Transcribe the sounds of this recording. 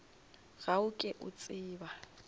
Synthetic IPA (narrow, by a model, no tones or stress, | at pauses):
ɣaʊkʼɪʔʊ̰t͡sʼɪːba